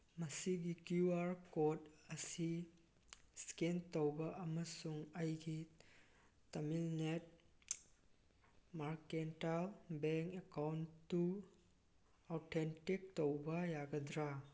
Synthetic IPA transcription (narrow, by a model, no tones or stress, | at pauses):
mɐsiɡikuaɾkotɐsi | skentowbɐʔɐmɐsuŋɐjɡi | tɐmilnet̚ | maɾkentalbeŋkekawnːu | owtʰentik̚towbɐjaɡɐdɾa